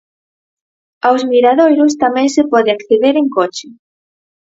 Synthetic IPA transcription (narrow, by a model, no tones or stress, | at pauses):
awsmiɾaðojɾʊs̬t̪amɛ̃ŋsepɔðɪakθeðeɾeŋkot͡ʃɪ